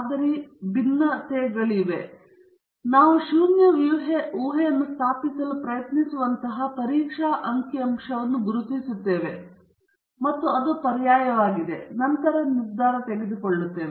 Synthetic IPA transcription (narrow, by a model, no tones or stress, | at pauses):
d̪ɐɾibinːɐt̪eːɡɐɭiʋe̞ | naːʋuʃuːnjɐʋjuʋɦeʔuːɦejɐnːust̪ʰaːpisɐlupɾɐjɐt̪nisuʋɐnt̪ɐɦɐpɐɾiːkʂaːʔɐŋkiɐmʂɐʋɐnːuɡuɾut̪isut̪ːe̞ːʋe̞ | mɐt̪ːuɐd̪upɐɾjaːjɐʋaːɡid̪e̞̰nɐnt̪ɐɾɐnisd̪ʱaːɾɐt̪eɡed̪ukoɭːut̪ːe̞ːʋe